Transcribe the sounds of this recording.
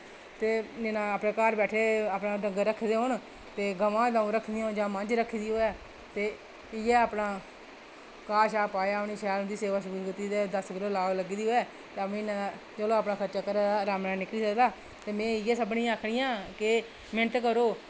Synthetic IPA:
t̪eːd͡ʒɪnãːaːpnẽːkaːɾbɛːʈʰeːaːpnaːɖəŋɡɾəkʰːd̪eːɦoɳ | t̪eːɡəʋãːd̪ãũːɾəkʰːd̪iːɦond͡ʒãːmənd͡ʒɾəkʰːiːd̪iːɦoːɛː | t̪eː | ɪjɛːaːpnãː | kaːʃaːpaːjaːəpniːʃɛːlnd̪iːseːʋaːʃʊɾuːskt̪iːd̪eːd̪əsɡɪloːlaːɡləɡiːd̪iːɦoːɛː | t̪eːəmĩːnãːd̪aː | t͡ʃəloːaːpnaːkʰəɾt͡ʃaːkəɾaːd̪aːɾaːmnãːnɪkliːsəkd̪aː | t̪eːmɛ̃ːɪjɛːsəbɳĩːaːkʰɽɪjãːkɪ | mɪnət̪kəɾoː

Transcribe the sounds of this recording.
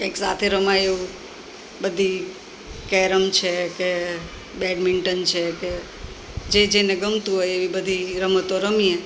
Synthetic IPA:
kẽksat̪ʰeɾəmaeʋũ | bəd̪ʱi | kɛɾəmt͡ʃʰeke | bɛɖmɪɳʈənt͡ʃʰeke | d͡ʒed͡ʒeneɡəmt̪ũɦojeʋibəd̪ʱiɾəmət̪oɾəmie

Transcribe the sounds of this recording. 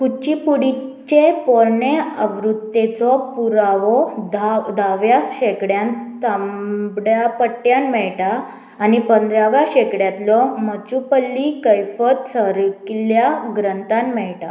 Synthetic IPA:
kut͡ɕipuɽit͡ɕepɔɾɳeəʋɾud̪et͡sɔpuɾaʋɔ | d̪ʱaʋjasɕekɽjãnt̪ambɽjapəʈːjanmɛɭʈaː | nipənd̪ɾaʋjaɕekɽjat̪lɔmət͡ɕupəlːikəjfət̪səɾikljaɡɾənt̪anmɛɭʈa̰

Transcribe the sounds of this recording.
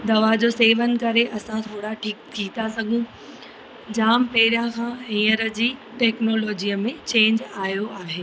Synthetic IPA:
d̪ɐʋad͡ʑoːseːʋənɪ̆kɐɾeʔɐsãt̪ʰoːɽaʈʰiːk̚t̪ʰiːt̪asɐɡʱũ | d͡ʑaːmpɛɦɪɾijãkʰãːĩːəɾəd͡ʑiːʈɛːknɔːlɔːd͡ʑijəmẽt͡ɕẽːɲd͡ʑaːjoaːɦeː

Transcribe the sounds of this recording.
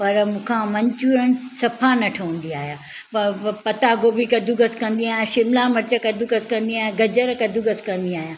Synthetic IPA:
pɐɾmũːkʰãmɐɲt͡ɕuːɾənɪ̆sɐpʰanɐʈʰɐə̃nd̪iaːɦjaː | pɐpɐt̪aɡoːbikɐd̪ʱuɡɐskɐ̃nd̪iaːɦjãʃɪmlamɐɾt͡ɕakɐd̪ʱuɡɐskɐ̃nd̪iaːɦijãɡɐd͡ʑəɾkɐd̪ʱuɡɐskɐ̃nd̪iaːɦjãː

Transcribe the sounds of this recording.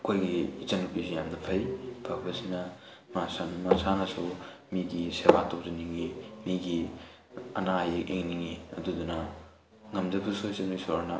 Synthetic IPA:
kʰojɡiit͡ʃɐnupisijamnɐpʰɐjpʰak̚bɐsinɐ | masanmasanɐsumiɡisebatop̚zɐniŋimiɡi | ɐ̰najekḛŋniŋiɐ̰dudunɐ | ŋɐmd͡ʒɐbusuit͡ʃɐnujsoɾanɐ

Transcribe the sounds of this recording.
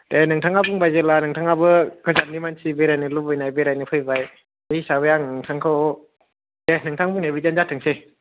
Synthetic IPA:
denɯŋtʰaŋabuŋbajzelanɯŋtʰaŋabɯkʰɯzannimansibeɾajnɯlubɯjnajbeɾajnɯpʰɯjbaj | ehisabɯjaŋnɯŋtʰaŋkʰɯ | denɯŋtʰaŋbuŋnebizanzatʰɯŋse

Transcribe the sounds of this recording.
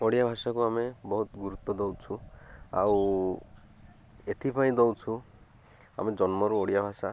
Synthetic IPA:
oɽijabʱasakuamebɔɦut̪ɡuɾut̪ɔd̪owt͡ʃʰua̰w | et̪ʰipʰaĩd̪ɔwt͡ʃʰu | a̰med͡ʒɔnmɔɾuoɽijabʱasa

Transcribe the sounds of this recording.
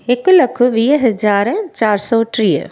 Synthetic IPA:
ekʊlɐkʰʊʋiːɦɐd͡ʒaːɾt͡ɕaːɾsɔːʈɾiːə̰

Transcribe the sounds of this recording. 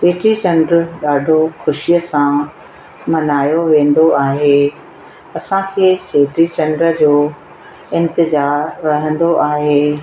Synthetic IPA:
t͡ɕeːʈɾit͡ɕɐ̃ɳɖɾɗaːɖʱoxʊʃijəsã | mɐnaːjoʋẽːn̆d̪oʔaːɦeː | ɐsãkʰeːt͡ɕeːʈɾit͡ɕɐ̃ɳɖɾəd͡ʑoː | ɪ̃nt̪ɪzaːɾːɐɦə̃nd̪oʔaːɦeː

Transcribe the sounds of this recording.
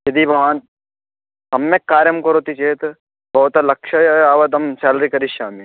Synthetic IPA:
jɐd̪ibʱɐʋaːn | sɐmːekːaːɾjɐmkɐɾot̪it͡ʃeːt̪ | bʱɐut̪alɐkʃɐjaːʋɐd̪ɐmsaːlɾikɐɾiʃaːmi

